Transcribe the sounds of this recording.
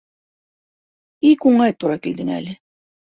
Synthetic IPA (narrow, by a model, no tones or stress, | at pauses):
ikuɴɑjt̪uɾɑkild̪ɘŋæ̰lɘ